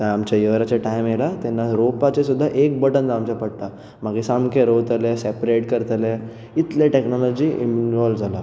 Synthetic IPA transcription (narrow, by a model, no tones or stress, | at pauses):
t̪əamt͡ɕajəʋɾat͡ɕaʈajmjelat̪ɛnːaɾopat͡ɕesud̪ʱːaʔek̚bəʈənd͡zamt͡ɕapəɽt̪a | maɡesamkʰeɾot̪lesɛpɾeʈkəɾt̪le | it̪leʈeknɔlɔd͡ʑiḭnɔld͡zʱala